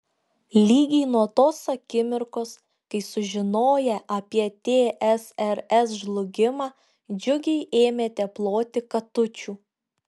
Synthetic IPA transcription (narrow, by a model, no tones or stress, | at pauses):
lʲiːɡʲɛɪnuɔt̪oːsɐkʲɪmʲɪɾkoːs | kɐɪsʊʒʲɪnoːjɛʔɐpʲiɛt̪ʲeːʔɛsɛɾɛsʒlˠʊɡʲɪmɑː | d͡ʒʲʊɡʲɛɪʔeːmʲeːt̪ʲɛplˠoːt̪ʲɪkɐt̪ʊt͡ʃʲuː